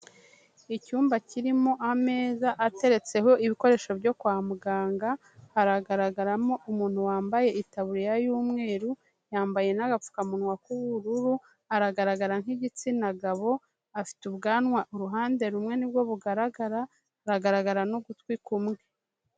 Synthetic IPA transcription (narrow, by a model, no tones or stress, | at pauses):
icuːmbaciɾimo̞ʔame̞ːzaʔːte̞ɾe̞t͡se̞ɦo̞ʔiβiko̞ɾe̞ʃo̞bɟo̞kwaːmuɡaːŋɡa | haɾaɡaɾaɡaɾamo̞ʔumuːn̥huwaːmbaje̞itaβuɾijajuːmŋe̞ːɾu | jaːmbaje̞naɡap͡fu̥kamunwakuβuɾuɾu | aɾaɡaɾaɡaɾaŋhiɟit͡sinaɡaβo̞ | afi̥tuβɡaːnŋwaʔuɾuɦaːnde̞ɾumŋe̞nibwo̞βuɡaɾaɡaɾa | ɾaɡaɾaɡaɾanoɡutwikumŋe